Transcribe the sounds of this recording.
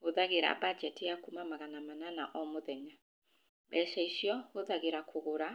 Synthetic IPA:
huðaɣiɾa̰bad͡ʒɛtijakumamaɣanamanana̰ʔɔmoðɛɲa | bɛʃɛiʃiɔhoðaɣiɾakʰuɣuɾa

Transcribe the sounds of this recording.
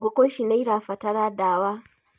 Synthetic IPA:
ɡʷokʷoʃinajɾaːɸɐtɐɾaːdaːwaː

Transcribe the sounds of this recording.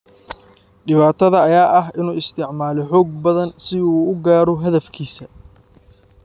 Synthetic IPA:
ɖɪβaːt̪ʰɐðɐːjaːʔɐɦɪnuːɪst̪ʰɪʕmaːlɔħɔːɡ̚bɐðɐnsɪuːɡaːɾɔɦɐðɐfkʰiːsɐ

